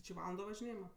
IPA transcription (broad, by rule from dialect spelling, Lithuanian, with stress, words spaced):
t͡ʃʲɪ ˈʋɑːlˠɐndoː ʋɐʒʲɪˈnʲeːjɪmɐ